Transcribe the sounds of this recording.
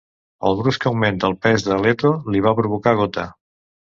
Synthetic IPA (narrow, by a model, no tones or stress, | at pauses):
əlˠðɾuskəwment̪əːlˠpɛzðəlɛt̪oliβ̞apɾuβukaɣ̞ot̪a̰